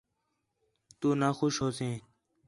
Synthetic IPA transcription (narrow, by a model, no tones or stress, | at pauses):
t̪uːnaːxoʃɦoːsẽː